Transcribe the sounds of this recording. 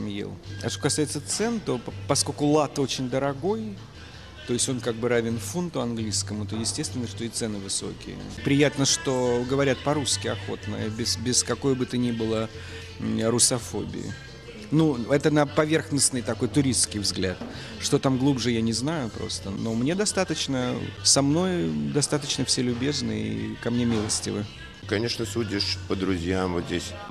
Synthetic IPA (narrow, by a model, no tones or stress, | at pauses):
mjḛlˠɐ̰ʂt̪okɐsajɪt̪sət̪sɛnt̪o̞pɐsko̞lʲkʊlˠat̪o̞t͡ɕɪnʲd̪əɾɐɡo̞j | t̪o̞jɪsʲtʲo̞nkaɡ̚bɨɾavʲɪnfunt̪ʊɐnɡlʲiskəmʊt̪ojɪsʲtʲest̪vʲɪnːəʂt̪o̞it̪sɛnɨvɨso̞̰kʲɪ̰jə̰pɾʲɪjat̪nəʂt̪o̞ɡəvɐɾʲat̪̚pɐɾuskʲɪɐxo̞̰t̪nɨ̰jəbʲɪsbʲɪskɐko̞jbɨt̪ənʲibɨlˠə | ɾʊsɐfo̞̰bʲɪ̰ɪ̰ | nuɛt̪ənəpɐvʲe̞rxnəsnɨjt̪ɐko̞jt̪ʊɾʲist̪skʲɪjvzɡlʲat̪ | ʂt̪o̞t̪amɡlˠubʐɨjanʲɪznajʊpɾo̞̰st̪əno̞mnʲed̪ɐst̪at̪ət͡ɕnəsɐmno̞jd̪ɐst̪at̪ət͡ɕnəfsʲelʲʊbʲe̞znɨḭkɐmnʲe̞mʲilˠəsʲtʲɪ̰vɨ̰ | kɐnʲe̞ʂnəsudʲɪʂpəd̪ɾʊzʲjamvot̪zʲdʲesʲ